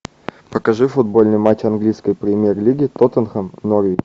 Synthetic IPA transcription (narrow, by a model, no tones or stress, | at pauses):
pəkɐʐɨfʊd̪̚bo̞lʲnɨjmat͡ɕːɐnɡlʲijskəjpɾʲɪmʲjerlʲiɡʲɪt̪ot̪ənxəmnoɾʲi